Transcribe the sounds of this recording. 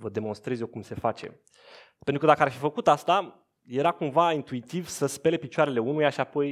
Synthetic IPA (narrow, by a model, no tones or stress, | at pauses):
vəd̪e̞mo̞nst̪ɾe̞zjo̞wkumse̞fat͡ʃe̞̰ | penɾukəd̪akəarfifəkut̪ast̪a | je̞ɾakumvaint̪uit̪ivsəspele̞pit͡ʃoaɾe̞le̞unujaʃiapo̞j